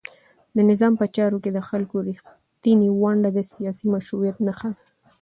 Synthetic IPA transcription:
d̪ənɪzɑmpət͡ʃɑɾoked̪əxalkoɾix | t̪iniwaɳɖad̪əsijɑsimaʃɾuɾjat̪nəxa

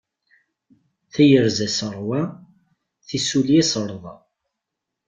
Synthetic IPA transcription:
θæjəɾzæsəɾˤwæ | θisuliæsəɾˤðˤɑ̰

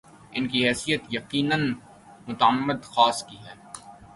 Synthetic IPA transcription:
ɪnkiɦɛːsijət̪jɐqiːnən | mʊt̪əəmːəd̪xaːskiɦɛː

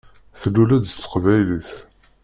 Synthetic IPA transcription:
θlːulæd̪t͡sːə̥qvæjliθ

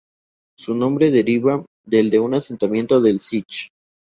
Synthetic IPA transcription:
sunõ̞mbɾe̞ðe̞ɾiβa | ðe̞ld̪e̞unase̞nt̪amje̞nt̪oðe̞lsit͡ʃ

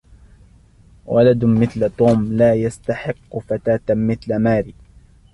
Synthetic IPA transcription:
wʔalad̪mɪθlt̪ˤuːmlaːjast̪aħɪqːʊfat̪aːt̪mɪθlamaːɾiː

